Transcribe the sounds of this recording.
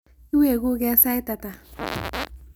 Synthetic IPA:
i˦we˦˨ɡu˦ɡɛ˦sa˦i˦ta˨ta˨

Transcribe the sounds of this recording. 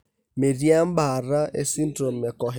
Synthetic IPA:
me˨ɾi˦a˦m̩˦ba˨ɾa˦ḛ˦si˦n˦dɾo˨mɛ˨kɔ˨ɦ

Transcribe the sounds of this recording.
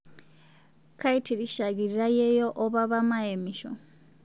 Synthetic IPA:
kʰa˦i˦tʰi˨ɾi˨ʃa˨ɡi˨ɾiɾa˦je˦jɔʔɔ˦βa˦βama˦emiʃɔ̰

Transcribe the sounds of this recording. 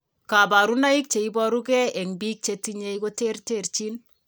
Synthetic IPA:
ka˨ba˨ɾu˦na˦i˦k̚t͡ʃe˨i˦bɔ˦ɾu˦kɛ˦ɛ˨ŋbi˦k̚t͡ʃe˦ti˦ɲe˧jko˦te˦rte˦rt͡ʃi˦n

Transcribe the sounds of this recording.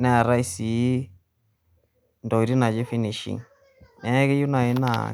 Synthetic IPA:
na˦a˨ɾa˦i˦si˨˦ | ndɔ˨i˨ɾi˦na˨d͡ʒi˦fi˦ni˨ʃḭ˨ŋ | nɛ˨˦ke˦ju˦na˨i˦na̰˨

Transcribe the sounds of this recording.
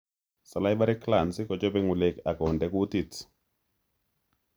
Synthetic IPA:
sɔ˨la˦jba˦ɾi˦kla˨nsɪ˦kɔ˨d͡ʒɔ˦be˦ŋu˨le˨ka˨kɔ˨ndɛ˨ku˦t̪i˨t

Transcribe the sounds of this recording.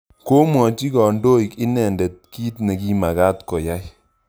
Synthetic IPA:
ko˦mwɔ˨t͡ʃi˦kɔ˨ndo˦i˨kɪ˦nɛ˨nde˨t̚ki˦tne˨ki˦ma˨ka˦tkɔ˨ja˦j

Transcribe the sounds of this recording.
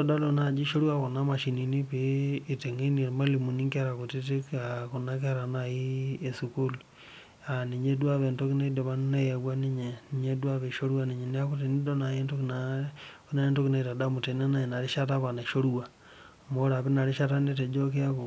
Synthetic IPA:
oda˦lona˨d͡ʒi˦ʃo˦ɾu˦a˦ko˨na˦ma˨ʃi˨ni˨ni˦peː˨te˨ŋe˦ni˨ɾe˨ma˦li˨mu˨niŋka˦ɾa˨ku˨ti˦te˦kaku˨na˦ke˦a˦ɾa˨naji˦e˨suku˦lu | ani˨ɲe˦dwa˦βe˨nto˦ki˦ne˦i˦de˨βa˦nne˦ja˨βwa˦ni˦ɲe˨niɲe˦dwa˦βe˨ʃo˦ɾu˦a˦niɲe˨nia˦ku˦ti˨ni˦do˦na˨je˦nto˦kna | na˨e˦nto˦kina˨ita˨da˦mu˨te˨na˦na˦ina˨ɾi˦ʃa˦ta˦βa˨na˨ʃo˦ɾuwa˨ | moɾa˨βe˦na˨ɾi˦ʃa˦ta˦ne˦t̬e˨d͡ʒo˦ke˦a˦βo˨

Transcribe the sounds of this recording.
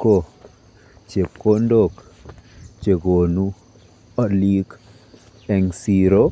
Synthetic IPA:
ko˦˨ | t͡ʃe˨pko˦ndo˦˨k | t͡ʃe˨ɡo˨nu˦ | ɔ˨li˦k | ɛ˨ŋsi˨ɾo˦

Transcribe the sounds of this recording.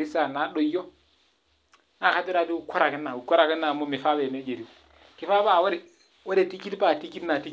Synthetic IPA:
i˦sa˨na˨˦ɗo˨jo˦ | na˦˨ka˦ti˦ɾa˦di˦u˦˨kʰo˦ɾa˨kɪ˦nːa˨u˨ko˦ɾa˨kɪ˦nːa˨mo˦mi˨fa˦be˨ne˦d͡ʒe˨ɾi˦ | ki˨˦fa˦ba˨we˦ɾe˨ | we˦ɾe˨ti˦ki˦tpa˨ti˦ki˦tna˨ti˦k

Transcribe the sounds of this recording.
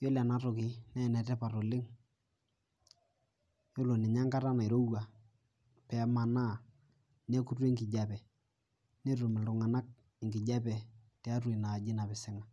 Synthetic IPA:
jo˦la˨na˨tʊ˨kɪ˨nɛ˦˨nɛ˨tɛ˦pa˨to˨lɪ˦ŋ | jo˦lo˨nɪ˨ɲa˦ŋka˦ɾa˦na˨ɪ˨ɾo˦wa˨ | pɛ˨˦ma˨na˦˨ | ne˦ku˦te˦ŋɡɪ˨d͡ʒa˨pɛ˨ | ne˦ɾʊ˨mɪ˨lʊ˨ŋa˨na˦k̚ | ɪ˨ŋɡɪ˨d͡ʒa˦pɛ˨ | tɛ˨˦a˦twe˨na˨d͡ʒɪ˦na˨pɪ˨sɪ˦ŋa˨

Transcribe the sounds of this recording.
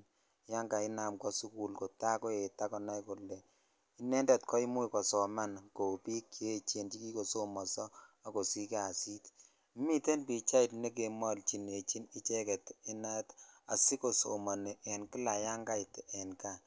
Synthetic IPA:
ja˦ŋɡa˨i˦na˨mkɔ˦su˦ku˨lko˨ta˦ko˦e˨ta˦kɔ˨na˦jku˨lːɛ˨ | i˦nɛ˦ndɛ˨tkʰɔ˦i˦mu˦i˨kɔ˨sɔ˨ma˦nko˨pi˦kːe˦t͡ʃe˨nd͡ʒi˦ki˦ko˨so˦mɔ˨sɔ˦ | a˦ko˨si˦ka˨si˦t | mi˦te˦npi˨t͡ʃa˦i˨tne˦k̬e˨mɔ˦lt͡ʃi˨ne˨t͡ʃi˦ni˦t͡ʃɛ˦kɛ˨ti˦na˦ta̰˨si˦ko˨so̰˨mɔ˨nɛ˨ʔɛ˨nki˦la˨ja˦ŋɡa˦i˨tɛ˨nka˨

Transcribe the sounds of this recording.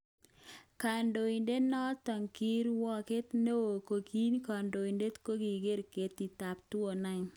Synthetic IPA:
ka˨ndo˨i˨nde˦nɔ˦tɔ˨ŋki˦ɾwɔ˦ke˦t̪ne˦o˨ko˨ki˦nka˨ndo˨i˨nde˦tko˦ɡi˨ɡe˦ɾke˨t̪i˨ta˨p̚two˨na˦ŋ

